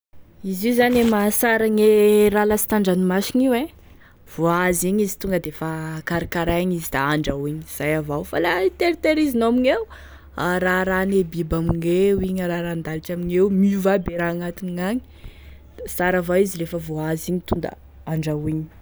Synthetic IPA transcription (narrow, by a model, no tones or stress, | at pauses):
izizanemasaɾaɲeralasi̥t̪aɳɖ͡ʐanimasiɲiwe | v̥oaziɲizi̥t̪uŋɡəd̪efakaɾikaɾaɲizid̪aaɳɖ͡ʐawiɲiz̥ajavawfalait̪eɾit̪eɾizinoamiɲew | aɾaɾanebibamiɲewiɲəɾaɾand̪aliʈ͡ʂamiɲewmiuvabeɾaːŋat̪iniŋaɲi̥ | saɾavaizilefəvoaziɲit̪und̪a̰ | aɳɖ͡ʐawiɲi̥